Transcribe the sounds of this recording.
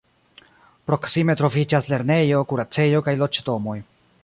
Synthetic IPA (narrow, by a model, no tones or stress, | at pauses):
pɾo̞ksime̞tɾo̞vid͡ʒasle̞ɾne̞jo̞kuɾat͡se̞jo̞kajlo̞t͡ʃdo̞mo̞j